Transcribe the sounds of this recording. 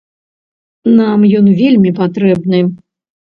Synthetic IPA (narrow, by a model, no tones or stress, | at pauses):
namjɔnvʲelʲmʲipat̪ɾɛbnɨ